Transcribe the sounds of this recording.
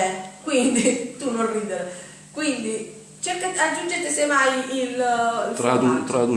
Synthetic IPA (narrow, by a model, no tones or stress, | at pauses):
ɛkwind̪it̪unːonriːd̪eɾ | kwind̪i | t͡ʃeɾkaad͡ʒːund͡ʒet̪esemajilit̪ɾad̪ut̪ɾad̪u